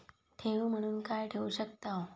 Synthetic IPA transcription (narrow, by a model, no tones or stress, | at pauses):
ʈʰeʋum̤əɽ̃uːnkajʈʰeuɕək̚t̪a